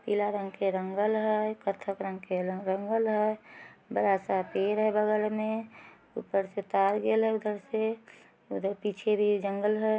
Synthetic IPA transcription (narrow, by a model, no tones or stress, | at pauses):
pilaɾə̃ŋɡkeɾəŋɡəlɦɛkət̪ʰəkɾə̃ŋɡkeɾəŋɡəlɦɛbəɾasapeɾɦɛbəɡəɾmẽ | ṵpəɾset̪aːɾɡelɦɛʊd̪əɾse | ud̪əɾpit͡ʃʰebʱid͡ʒəŋɡəlɦɛ